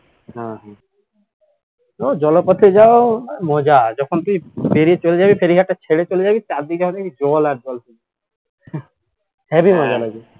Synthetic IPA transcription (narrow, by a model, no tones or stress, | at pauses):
ɦãɦã | od͡ʒɔlɔpɔt̪ʰid͡ʒaomɔd͡ʒad͡ʒɔkʰɔnt̪uĩpeɾiet͡ʃolid͡ʒabipʰeɾiɡʱaʈat͡ʃʰeɽet͡ʃolid͡ʒabit͡ʃad̪id͡ʒɔkʰɔ̃nakid͡ʒɔlaɾd͡ʒɔlt̪un | hɛbimɔd͡ʒaloɡi